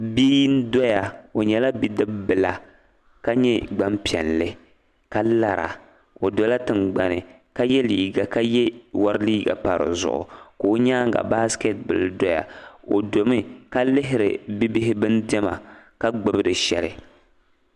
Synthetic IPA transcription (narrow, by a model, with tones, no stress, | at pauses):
bi˦ji˦n˦dɔ˦ja˨o˨ɲɛ˨la˦bi˦dɨ˦bbɨ˨la˨ | ka˦ɲɛ˦ɡ͡ba˦mpi˨ɛ˨nlɨ˦ | ka˦la˨ɾa̰˨ | o˨dɔ˦la˦tɨ˨nɡ͡ba˨nɨ˨ | ka˦jɛ˦liː˨ɡa˨ka˦jɛ˦wa˦ɾɨ˦liː˦ɡa̰˨pa˨ɾɨ̰˨zʊ̰˨ʔʊ̰˨koː˨˦ɲaː˦ŋɡa̰˨ba˦ske˦t̚bɨ̰˨ldɔ˦ja̰˨o̰˨do˨mɪ˦ka˦lɪ˦ɦɪ˦ɾɨ̰˨bi˦bɪ˦ɦɪ˦bɨ˦n˦dɛ˦ma̰˨ka˦ɡ͡bɨ˨bɨ˦dɨ˨ʃɛ˦lɪ˨